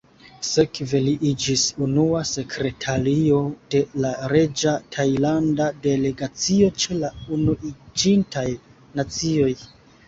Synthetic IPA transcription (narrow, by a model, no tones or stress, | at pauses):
se̞kve̞liʔid͡ʒisunuase̞kʰɾe̞tʰaɾio̞de̞laɾe̞d͡ʒatʰajlandade̞le̞ɡat͡sio̞t͡ʃe̞launuid͡ʒintaj | nat͡sio̞j